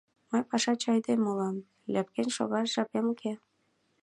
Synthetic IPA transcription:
məjpɑʃɑt͡ɕɑjd̪emolɑm | lʲæp̚kenʲʃo̰ɣɑʃʒɑpemkʰe

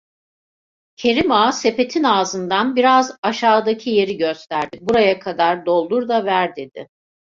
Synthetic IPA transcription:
cʰe̞ɾimaːse̞pe̞t̪ʰinaːzɯnd̪anbiɾazaʃaːd̪acʰije̞ɾiɟøst̪ʰæɾd̪ɪbuɾajakʰad̪aɾd̪o̞lˠd̪uɾd̪avæɾd̪ed̪̥ɪ̰

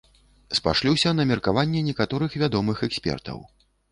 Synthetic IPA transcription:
spa̰ʂlʲiwsʲɐnɐmʲɛrkavanʲːɛnʲɛkat̪ɔɾɨxvʲad̪ɔmɨxɛksʲpʲɛ̰rt̪ɐ̰w

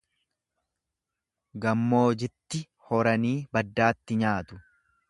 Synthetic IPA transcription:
ɡɐmːoːd͡ʒɪt̪ːɪ | hɔɾɐniːbɐd̪ːaːt̪ːɪɲaːt̪ʊ̥

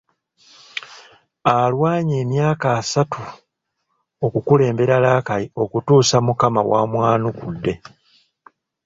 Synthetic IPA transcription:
alwaːɲe̞ːmjaːkaːsatʰu | okukule̞ːmbe̞ɾalaːkalio̞kutuːsamukamawamwaːnukudːe̞

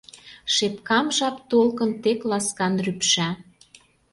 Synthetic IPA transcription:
ʃepkɑmʒɑpt̪olkə̆nt̪eklɑskɑnrypʃæ

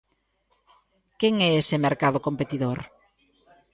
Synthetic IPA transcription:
keŋɛesɪmeɾkaðʊkompet̪iðoɾ

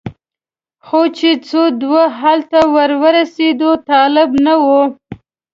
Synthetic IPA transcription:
xot͡ʃet͡sod̪waɦalt̪awəɾwəɾased̪ot̪ɑlɪbnawo

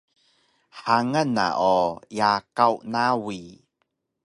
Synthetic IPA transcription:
ħaŋəna̰ʔojakawnawi

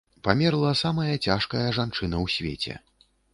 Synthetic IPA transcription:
pamʲɛrlˠɐsamɐjɐt͡sʲaʂkɐjɐʐant͡ʂɨnɐwsʲvʲḛt͡sʲɛ̰

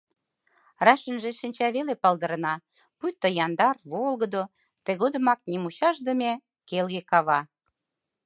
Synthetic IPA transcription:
rɑʃə̆nʒeʃənʲt͡ɕɑβelepɑld̪ə̆ɾə̆nɑ | pujt̪ːojɑnd̪ɑrβolɣə̆d̪o | t̪eɣod̪ə̆mɑk̚nʲimuɕɑʒd̪ə̆me | kelɣekɑβɑ

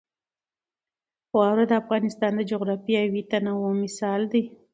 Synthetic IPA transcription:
xwawɾad̪əafɣɑnɪst̪ɑnd̪əd͡ʒoɣɾɑfiawit̪anawomɪsɑld̪i

